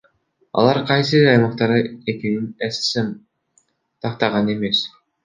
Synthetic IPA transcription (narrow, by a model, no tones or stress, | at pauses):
ɑ̰lˠɑɾqʰɑjs̬ɯɾɑjmɑq̚t̪ɑɾɯe̞keninessem | t̪ʰɑqt̪ɑʁɑne̞me̞s